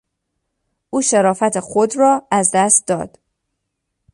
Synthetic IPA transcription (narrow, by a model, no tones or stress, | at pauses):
ʔuːʃeɾɒːfæt̪ʰexod̪rɒːæzd̪æst̪̚d̪ɒ̰ːd̪̥